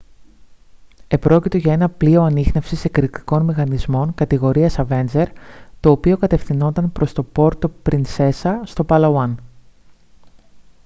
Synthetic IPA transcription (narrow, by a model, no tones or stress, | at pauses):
e̞pɾo̞cit̪o̞ʝɐe̞nɐplio̞ɐnixne̞fsisekɾikt̪i̥ko̞nmixɐnizmo̞ŋkɐt̪iɣo̞ɾiɐsɐve̞nd͡ze̞ɾt̪o̞ːpio̞kɐt̪e̞fθino̞nt̪ɐnpɾo̞st̪o̞po̞ɾt̪o̞pɾinse̞sɐst̪o̞pɐlɐwɐn